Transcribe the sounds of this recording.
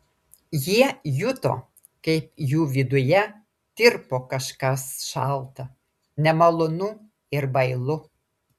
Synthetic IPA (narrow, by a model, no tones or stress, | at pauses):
jiɛjʊt̪o̰ː | kɐɪpjuːʋʲɪd̪ʊjɛ | t̪ʲɪɾpoːkɐʃkɐsʃɑlˠt̪ɐ | nʲɛmɐlˠonʊ | ɪɾbɐɪlˠʊ